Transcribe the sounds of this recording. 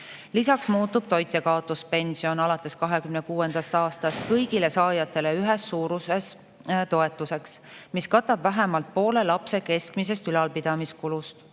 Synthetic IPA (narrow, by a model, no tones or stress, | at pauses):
lisɑksmuːt̪ːub̥t̪o̞jt̪ːˑekɑot̪ːˑuspe̞nsio̞nɑlɑt̪ːˑe̞skɑɦe̞kymnekuːe̞nd̪̥ɑst̪ɑːst̪ɑst̪kɤjɡile̞sɑːjɑt̪ːˑe̞le̞yɦesːuːɾuses | t̪o̞e̞t̪ːˑuse̞ksmiskɑt̪ːˑɑbvæɦemɑlt̪̚po̞ːle̞lɑpse̞ke̞skmise̞st̪ylɑlpid̪̥ɑmiskulust̪